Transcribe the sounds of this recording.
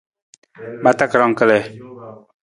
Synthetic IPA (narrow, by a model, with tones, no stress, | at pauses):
ma˨t̪a˦kɾɑ˨ŋkə˦lɛ˨